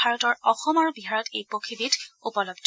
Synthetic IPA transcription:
aɹɔtɔɹɔxɔmɔɹbiɦaɹɔtejpokʰibitupɔlɔbd

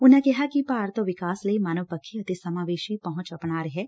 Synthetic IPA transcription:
ʊnãkɛɦakipaːɾt̪õʋɪkaːsləimanəʋpəkʰːiət̪esɐmaːʋeːʃipɐɦʊ̃t͡ʃɐpɳ̃aːɾəɦɛː

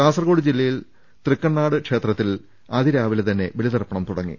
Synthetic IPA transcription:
aːsɐrɐɣo̞ːɽid͡ʑilːɐjil | t̪rikːɐɳːaːɽɨkʂe̞ːt̪rɐt̪ːil | ɐðiɾaːʋilet̪ɐnːe̞ʋeɭiðɐrpːɐɳɐmt̪uɽɐŋːḭ

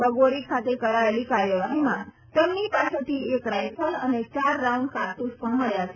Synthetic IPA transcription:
bəɡoɾikʰat̪ekəɾaʋeliːkaɾjəʋaɦima | t̪emnipaset̪iekɾajpʰələnet͡ɕaɾːawɳɖkaɾt̪ussəmaljas

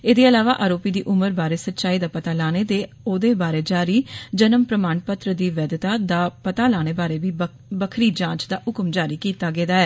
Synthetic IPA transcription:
eːd̪eːəlaːʋaːʔaːɾoːpiːd̪iːʔʊməɾbaːɾeːsət̪ːʃaːiːd̪aːpət̪aːlaːñeːd̪eː | oːd̪eːbaːɾeːd͡ʒaːɾiːd͡ʒənəmpɾəmaːnpət̪ɾəd̪iːʋɛːd̪t̪aːd̪aːpət̪aːlaːñeːbaːɾeːʋiː | bəkʰɾiːd͡ʒãːt͡ʃd̪aːʊkmd͡ʒaːɾiːkiːt̪aːɡeːd̪aːɛː

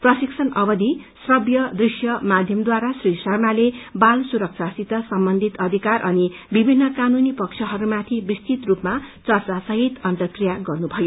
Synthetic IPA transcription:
prʌsiksʰʌnʌbʌd̪ʱisrʌbjʌd̪risjʌmad̪ʱjʌmd̪waɾasrisʌrnalebalsuɾʌk̚sʰasit̪ʌsʌmbʌnd̪ʱit̪ʌd̪ʱikarʔʌnibibʱinːʌkanunipʌkt͡sʰʌɦʌɾumat̪ʰibist̪it̪rupmat͡sʌrt͡sasʌɦit̪ʌnt̪ʌkrijaɡʌrnubʱʌjo

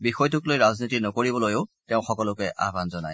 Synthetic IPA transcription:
bixɔjtʰʊklojɹaznitinɔkoɹibɔlojʊʊteʊ̃xɔkɔlʊkɛʔa̰banzɔna̰j

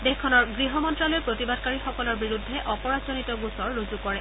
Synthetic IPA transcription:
dexkʰːɔnɔɹɡɹiɦɔmɔntɹalojpɹotibadkaɹixɔkɔlɔɹbiɹudʱːɛʔɔpɔɹazonitɔɡusɔɹːozukɔɹɛ

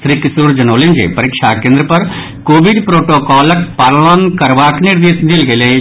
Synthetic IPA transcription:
sɾiːkɪsuːɾd͡ʒɐnoːlɪ̃nd͡ʒḛːpəɾɪkʃakẽːnd̪ɾəpɐɾ | koːʋɪɖpɾoːʈoːkɔːləkpaːɾlənkəɾʋaːknɪɾd̪eːsd̪ɪlɡɐiləe

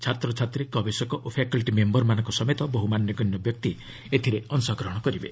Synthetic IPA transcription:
t͡ʃʰat̪ɾɔt͡ʃʰat̪ɾikɔbesɔkɔʔopʰakɔlʈimembɔɾmanɔ̃ŋkɔsɔmet̪ɔboɦumanjɔɡɔnjɔbjɔk̚t̪i | et̪ʰiɾeɔnsɔɡɾɔɦɔɽ̃ɔkɔɾibe

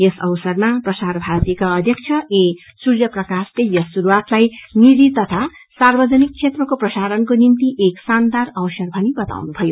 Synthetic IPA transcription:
esʌwsʌrmaprʌsaɾbʱaɾʌt̪iekaʌd̪ʱjʌk̚t͡sʰʌesuɾjʌprʌkaslejʌsːuɾuat̪lajniɾit̪ʌt̪ʰa | sarbʌd͡zʌnik̚t͡sʰet̪rʌkoprʌsaɾʌnkonint̪iʔeksand̪arʌwsʌrbʱʌnibʌt̪a̰wnubʱʌjo

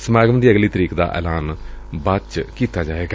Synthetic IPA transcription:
səmaːɡəmənd̪iːəɡliːt̪əɾiːkd̪a̰ːʔɛ̰ːlaːnbat͡ʃkiːt̪aːd͡ʒaːʋeːɡa

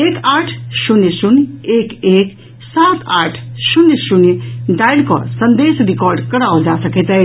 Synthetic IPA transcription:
ekaʈʰsunjesunekek | sat̪aʈʰsunːsunjɖajɽkɔ̰sənd̪esɾikɔɾɖkəɾaud͡ʒasəket̪əj

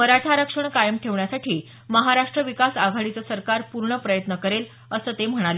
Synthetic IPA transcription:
məɾaʈʰaɾəkʂəɳkajəmʈʰeʋɳjasaʈʰiː | məɦaɾaʂʈɾəʋikasaɡʱaɭit͡səsəɾkaɾpuɾɳəpɾəjət̪nəkəɾel | əsəːt̪em̤əɽ̃ale

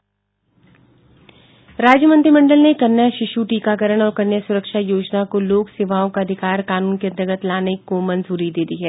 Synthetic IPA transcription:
ɾaːd͡ʒjəmɐ̃nt̪ɾimɐ̃ɳɖəlnekɐɾnːjaʃɪʃuʈiːkaːkəɾəɽ̃ɔːɾkɐnjəsʊɾəkʃajoːd͡ʒnakoloːksɪːʋaːõkaɐd̪ʱɪkaːɾkaːnuːnked̪ɐɡət̪laːnekomɐnzuːɾid̪eːd̪iɦɛː

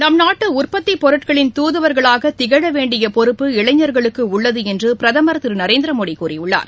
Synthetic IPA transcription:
nɐmnaːʈːɯʊrpɐt̪ːipɔɾɯʈkɐɭɪnt̪uːðɯʋɐɾɣɐɭaːɣɐt̪ɪɣɐɽɐʋeːɳɖɪjɐpɔɾɯpːɯɪɭɐɪɲːɐɾɣɐɭɯkːɯʊɭːɐðɯɛndrɯpɪɾɐðɐmɐɾɐt̪ːɯɾnɐɾeːnd̪ɾɐmoːɽikuːɾɪjʊɭːa̰ːɾ

